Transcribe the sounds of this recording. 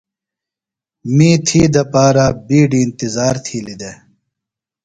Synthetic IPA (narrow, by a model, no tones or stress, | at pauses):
miːt̪ʰiːd̪ɐpaːɾaːbiːɖiːnt̪izaːɾt̪ʰiːlid̪e